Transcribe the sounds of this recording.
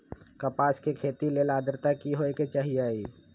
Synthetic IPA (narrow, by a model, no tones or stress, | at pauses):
kəpaːskekʰeːt̪ilelaːd̪əɾt̪akiɦoeket͡ʃaɦiaːiː